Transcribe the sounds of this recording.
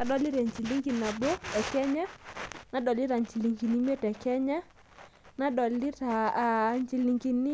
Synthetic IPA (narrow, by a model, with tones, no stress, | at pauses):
na˨ɗɔ˦li˦ɾɛ˨ɲt͡ʃi˨li˦ŋɡi˨na˨bo˦ɛ˨kɛ˦ɲa˦na˨ɗɔ˨li˦ɾa˨ɲt͡ʃi˨li˨ŋɡi˨ni˦m˦e˦tɛ˨kɛ˦ɲa˦ | na˨˦ɗɔ˨li˦ta˨ɲt͡ʃi˨li˨ŋɡi˨ni˦